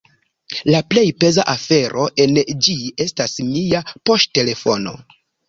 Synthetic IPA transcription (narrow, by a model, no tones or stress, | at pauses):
laple̞jpe̞zaʔafe̞ɾo̞ʔe̞nd͡ʒie̞stasmiapo̞stte̞le̞fo̞no̞̰